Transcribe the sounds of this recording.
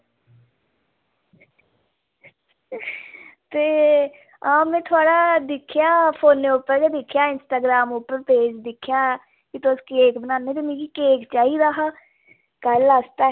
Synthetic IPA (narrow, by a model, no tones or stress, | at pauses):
t̪eː | ãːmɛ̃ːt̪ʰʊaːɽaːd̪ɪkʰːjaːpʰoːnːeːʊpːəɾkeːd̪ɪkʰːjaːɪnsʈaːɡɾaːmʊpəɾpeːd͡ʒd̪ɪkʰːjaː | kit̪oskeːkbənaːneːt̪eːmĩːkikeːkt͡ʃaːiːd̪aːɦaː | kələst̪aː